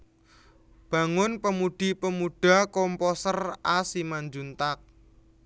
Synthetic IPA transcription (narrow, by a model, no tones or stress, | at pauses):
b̥ä̤ŋʊnpəmuɖ̪̥i̤pəmuɖ̥a̤kɔmpɔsərasimaɲd͡ʒunt̪ak̚